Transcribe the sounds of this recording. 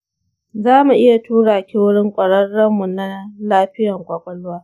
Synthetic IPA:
zaː˦mu˨ʔɪ˦ja˨tuː˦ɽaː˨kʲɪ˦wʊ˦ɽɪ˦ŋkʷʼɐ˨ɽɐ˦rɽːɐ˦mːu˨na˦laː˦ɸɪ˦jɐ˨ŋkʷʼa˨kʷʼɐ˨lʊ˦waː˦

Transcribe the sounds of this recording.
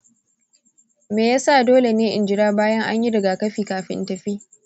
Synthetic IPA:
meː˨jaː˦sa˦˨doː˦le˨neː˦ʔɪ˨nd͡ʒɪ˨ɽaː˦baː˦jɐ˦ŋʔa̰˦ɲji˦dɐ˨ɡa˨kɐ˦ɸiː˨kaː˨ɸɪ̰˦ntɐ˨ɸiː˦

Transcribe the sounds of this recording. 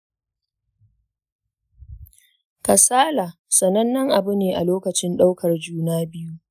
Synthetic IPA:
kɐ˨saː˦laː˨sɐ˨nɐ˦nːɐ˦ŋʔa˨bʊ˦neː˨ʔa̰˨loː˦kɐ˨t͡ʃɪ˦nɗa˦wkʰɐ˨rd͡ʒuː˦naː˦bɪ˦ju˦ʔ

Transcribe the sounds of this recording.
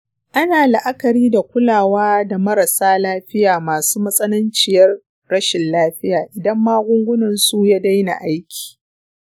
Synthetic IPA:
ʔa˦naː˨la˨ʔa˦kɐ˨ɾiː˦da˨kʷʊ˦laː˨waː˦da˨mɐ˦ɾɐ˨saː˦laː˦ɸɪ˦jaː˨maː˨suː˦mɐ˦sʼɐ˦lɐ˦nt͡ʃɪ˨jɐ˦rː | ɐ˦ʃɪ˨nlaː˦ɸɪ˦jaː˨ʔɪ˨dɐ˦mːaː˦ɡʷʊ˦ŋɡʷʊ˦nɐ˨nsu˦jaː˦da˦jna̰˨ʔa˦jkʲi̥ː˨

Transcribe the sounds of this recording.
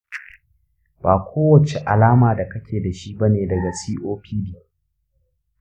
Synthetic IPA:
baː˨kʷʰoː˦wɐ˨t͡ʃe˨ʔa̰˨laː˦maː˨da˨kɐ˦kʲeː˨da˨ʃi˦bɐ˦neː˨dɐ˨ɡa˨siː˦ʔoː˦ɸiː˦diː˨

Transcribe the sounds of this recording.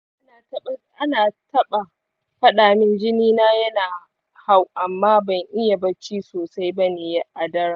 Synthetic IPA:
ʔa˦a˨tɐ˦ʔa˦naː˨tɐ˦ɓa˨ | ɸɐ˦ɗaː˨mɪ˦nd͡ʒɪ˦niː˦naː˦jɐ˦naː˨ | ha˦˨wʔa˨mːaː˦bɐ˨ŋʔɪ˦ja˨bɐ˦t͡ʃiː˦soː˨sa˦jbɐ˦ne˨ja˦ʔa˨dɐ˦ɾa˨

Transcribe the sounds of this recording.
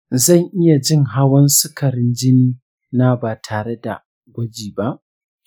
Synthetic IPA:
zɐ˦˨ŋʔɪ˦ja˨d͡ʒɪ˦˨ŋɦa˦wɐ˦nsʊ˦kʰɐ˨ɾɪ˦nd͡ʒɪ˦ni˦ | na˦baː˨tʰaː˨ɽe˦da̰˨ | ɡʷɐ˦d͡ʒiː˨ba˦ʔ

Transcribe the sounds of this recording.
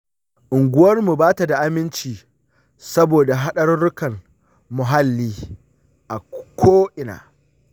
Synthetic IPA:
ʔʊ˨ŋɡʷʊ˦wɐ˦rmu˨baː˦ta˨da˨ʔa˦mɪ˦nt͡ʃiː˨ | sɐ˦boː˨da˨ɦa˦ɗɐ˦rːʊ˦kɐ˨n | mʊ˨ɦa˦lːiː˦ | ʔa˨kʷʰoː˦ʔɪ˨na̰ː˨

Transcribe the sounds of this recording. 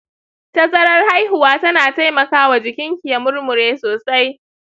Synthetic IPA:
tɐ˦sʼɐ˦ɽɐ˦rha˦jɦʊ˨waː˦tɐ˦naː˨ta˦jmɐ˨kaː˦wa˨d͡ʒɪ˨kʲɪ˦ŋkʲi˨ja˨mʊ˦rmʊ˨ɾeː˦soː˨sa˦j

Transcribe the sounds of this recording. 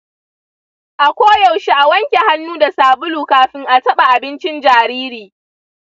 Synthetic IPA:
ʔa˨kʷoː˦jɐ˨wʃi˦ʔa˨wɐ˦ŋkʲe˨ha˦nːuː˦da˨saː˨bʊ˦luː˨kaː˨˦ɸɪ˦ŋʔa˨tɐ˦ɓa˨ʔa˨bɪ˦nt͡ʃɪ˦nd͡ʒaː˨ɾiː˦ɾiː˨

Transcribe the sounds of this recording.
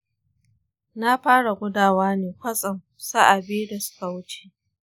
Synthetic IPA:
na˦ɸaː˦ɽa˨ɡʷʊ˦daː˨waː˦neː˨kʷɐ˦sʼɐ˨ŋ | sa˦ʔa˨beː˦da˨sʊ̥˦ka˨wʊ˦t͡ʃe˨

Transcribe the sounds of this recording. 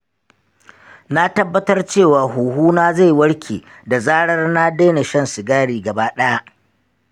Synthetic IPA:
na˦tɐ˦bːɐ˦tɐ˦rt͡ʃeː˦˨waː˨ɦuː˨ɦuː˦naː˦za˦˨jwɐ˦ɽkʲʰeː˨ | da˨zaː˦ɽɐ˦rna˦deː˦na˨ʃɐ˦nsɪ˨ɡaː˦ɽiː˨ɡɐ˨baː˦ɗɐ˦ja˦ʔ

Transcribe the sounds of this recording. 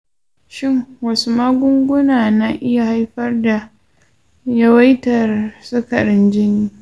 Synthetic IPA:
ʃɪ˦ŋwɐ˦su˨maː˦ɡʷʊ˦ŋɡʷʊ˦naː˨na˦ʔɪ˦ja˨ha˦jɸɐ˦rda˨ | jɐ˦wa˦jtɐ˨rsʊ˦kɐ˨ɾɪ˦nd͡ʒɪ˦niː˦

